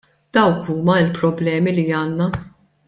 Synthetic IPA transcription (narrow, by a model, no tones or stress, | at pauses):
d̪̥ɐwkʰuːmɐɪlpɾɔblɛːmiliɐːnːɐ